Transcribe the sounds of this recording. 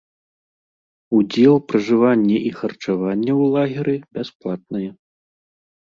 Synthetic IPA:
ud͡zʲɛlˠpɾɐʐɨvanʲːɛʔixɐrt͡ʂavanʲːɛwlˠaɣʲiɾɨbʲasplˠat̪̚nɐjɛ

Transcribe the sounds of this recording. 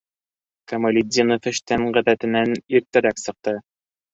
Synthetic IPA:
kɐmɐlʲɪd̪ʲinofɘ̆ʃt̪æŋʁæðæt̪ɘ̆næniɾt̪ɘ̆ɾæksɤ̆q̚t̪ɤ

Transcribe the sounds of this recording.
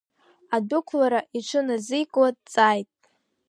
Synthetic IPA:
adʊkʷʰlaɾaʔiʈ͡ʂʷʰɨnazɨjkʼladt͡sʼajtʼ

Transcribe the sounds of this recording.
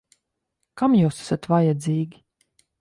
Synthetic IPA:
kamjuwsḁsat̪vajad̪ziːɡʲi

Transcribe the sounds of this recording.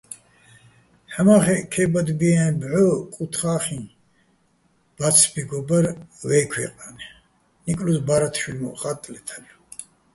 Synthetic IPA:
ħamaχɛkʰɛbad̪biabʕɔkʼut̪ʰχaːχĩn | b̥at͡sʰbiɡɔbaɾwɛkʰwɛ̰qʼanɛ | nikʼlusbaɾat̪ʰʃilmɔ̰χat̪ʼlɛt̪ʰalu

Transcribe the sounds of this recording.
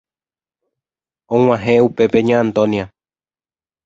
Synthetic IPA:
õŋ̃ãɦẽupe̞pe̞ɲãːnt̪õnia

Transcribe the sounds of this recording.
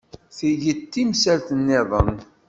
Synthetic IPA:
θiʝət̪ːimsælθənːɪðˤə̰n

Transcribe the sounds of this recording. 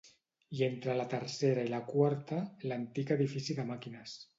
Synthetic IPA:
ient̪ɾələt̪əɾseɾəiləkwaɾt̪ələnt̪ikəðifisiðəmakinəs

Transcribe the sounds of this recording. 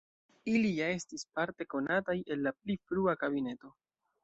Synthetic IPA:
ilijae̞stispaɾte̞ko̞nataje̞lːap̚lifɾuakabine̞to̞

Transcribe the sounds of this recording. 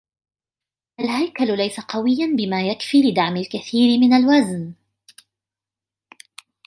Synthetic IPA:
ʔalhajkallajsaqɑwɪjːanbɪmaːjakfiːlɪd̪aʕmɪlkaθiːɾɪmɪnalwazn

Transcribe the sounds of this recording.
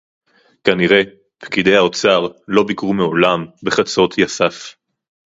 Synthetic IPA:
kaniʁe̞ | pkid̪e̞jao̞t͡saʁlo̞bikʁumeo̞lambe̞χat͡so̞t̪ʰjasaf

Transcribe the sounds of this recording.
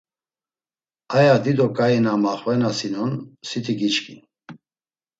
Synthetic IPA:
ajad̪id̪ɔkʼainamaχvɛnasinɔnsit̪ʰiɡit͡ʃkʼin

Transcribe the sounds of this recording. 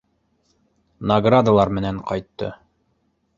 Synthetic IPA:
nɐɡrad̪alˠɑɾmɘ̆næɴqɑjt̪ːɤ̰

